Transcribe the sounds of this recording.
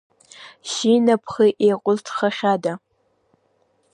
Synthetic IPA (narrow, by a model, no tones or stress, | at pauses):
ʃinapʰχiʔejqʷʼʊztʰχaχʲada